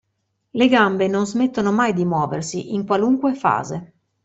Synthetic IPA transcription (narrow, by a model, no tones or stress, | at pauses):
leɡambenonzmet̪ːonomajd̪imwɔːvḛrsiʔiŋkwaluŋkwefa̰ːze